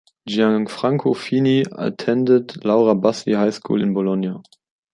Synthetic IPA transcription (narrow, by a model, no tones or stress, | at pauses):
d͡ʒiaŋfʁ̥aŋkʰofinia̰tʰɛndətlaʊʁabasihaɪskʰṵːlɪnbolɔnja